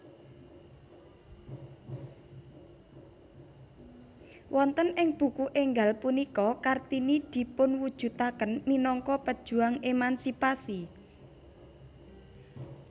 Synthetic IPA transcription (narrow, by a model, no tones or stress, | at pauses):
wʔɔnt̪ənɪŋb̥ṳkuʔeŋɡalpunikɔkart̪inid̪̥i̤pʊnwud̥ʒ̥ṳt̪akənminɔŋkɔpəd̥ʒ̥ṳaŋemansipasi